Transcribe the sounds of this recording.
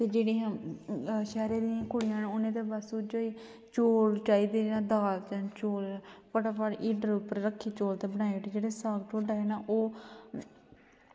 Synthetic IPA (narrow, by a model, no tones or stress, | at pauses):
t̪eːd͡ʒeːɽiːãː | ʃɛːɾeːd̪ɪãːkʊɽijãːnʊnẽːt̪eːbəsuːd͡ʒoːiː | t͡ʃoːlt͡ʃaːiːd̪eːnãːd̪aːlt͡ʃənt͡ʃoːlpəʈaːpaːɽʔiːɖəɾʊpəɾːəkʰːiːt͡ʃoːlt̪eːbəñaːeʈiːd͡ʒeːɽeːsaːɡʈoːɖaːeːnaːʔoː